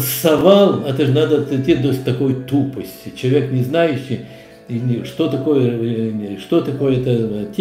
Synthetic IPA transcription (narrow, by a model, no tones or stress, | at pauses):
sɐvalˠɐt̪ɨʐnad̪ət̪tʲid̪osʲt̪ɐkojt̪upəsʲtʲɪt͡ɕɪlˠɐvʲeknʲɪznajʊɕːɪj | inʲʂt̪o̞t̪ɐkojə | ʂt̪ot̪ɐko̞jəɛt̪ətʲ